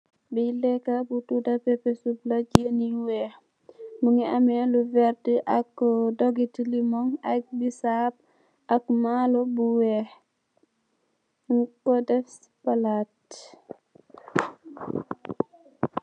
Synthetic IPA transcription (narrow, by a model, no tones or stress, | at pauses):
bilɛkabutudapɛpɛsublad͡ʒeniuwɛ | muŋiamɛluvɛɾdiʔakːdɔɡitilimɔŋak̚bisab̚ | ʔakmalɔbuwɛ | ŋkɔdɛfs | palat